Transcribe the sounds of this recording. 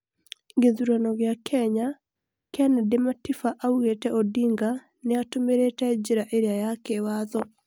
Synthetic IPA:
ɡeðuɾanɔɣeakʰɛɲa | keanadematifaʔauɣetɛʔɔdiŋɡa | neatomeɾetɛd͡ʑeɾaʔeɾeajakewaðɔ

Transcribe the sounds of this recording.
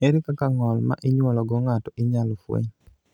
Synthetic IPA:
eɾikakaŋɔlma̰ʔɪɲwɔlɔɡɔŋatɔʔɪɲalɔfwḛɲ

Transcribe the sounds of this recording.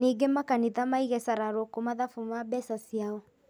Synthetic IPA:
eɡemakaniðamaiɣɛsaɾaɾokomaðafumabɛsasiaɔ

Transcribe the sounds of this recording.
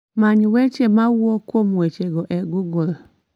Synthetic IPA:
maɲiwet͡ʃemawokomuet͡ʃeɡɔʔɛɡuɡɔl

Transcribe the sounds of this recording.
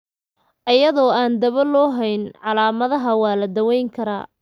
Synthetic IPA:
ʔɐjɐðɔːaːnd̪ɐβɐlɔːɦɛjnʕɑlaːmɐðɐɦɐwɑːlɐd̪ɐwɛjŋkʰɐɾa̰ː

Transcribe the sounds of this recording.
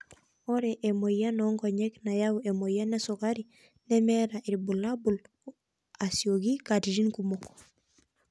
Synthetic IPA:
oɾeʔemojanoŋɡoɲeknajawemojanesokaɾi | nemeɾaʔiɾbulːabul | asioɡikatiɾinkumok

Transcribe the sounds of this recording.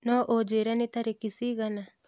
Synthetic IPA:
nɔʔod͡ʒeɾanit̪aɾekisiɡana

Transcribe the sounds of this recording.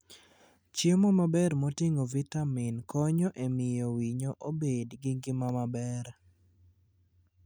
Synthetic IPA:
t͡ʃemɔmabɛɾmotɪŋovitamɪnkɔɲɔʔemɪjɔwiɲoʔobedɡɪŋɡɪmamabɛɾ

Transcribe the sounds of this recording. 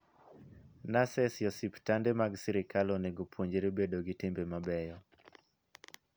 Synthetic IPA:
nasɛsjɔsiptandemaɡsiɾɪkaloneɡopwoɲd͡ʒeɾobedoɡɪtɪmbemabɛjɔ

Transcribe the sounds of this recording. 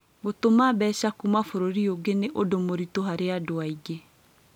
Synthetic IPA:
ɡotomabɛːɕakumafoɾoɾioɡeneʔodomoɾitoɦaɾeadoaiɡe

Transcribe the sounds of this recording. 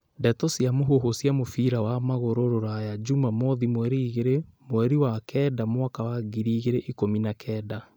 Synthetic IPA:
dɛtɔsiamoɦoɦosjamofiɾawamaɣoɾoɾoɾajad͡ʒumamɔðimwɛɾiɣeɾemowɛɾiwakɛdamwakawaɡiɾiːɣeɾeʔikominakʰɛda

